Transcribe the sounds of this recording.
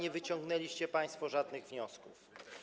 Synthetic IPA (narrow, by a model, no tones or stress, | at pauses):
ɲɛvɘt͡ɕɔ̃ŋɡnɛlʲiɕt͡ɕɛpaj̃st̪fɔʐad̪nɘɣvɲɔskuf